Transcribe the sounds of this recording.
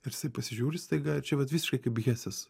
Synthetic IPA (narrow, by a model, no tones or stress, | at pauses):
ɪrjɪsɐɪpɐsʲɪʒʲuːɾʲɪst̪ɐɪɡɐt͡ʃʲɛʋɐt̪ʋʲiːsʲɪʃkɐɪkɐɪpɣʲæːsʲɛs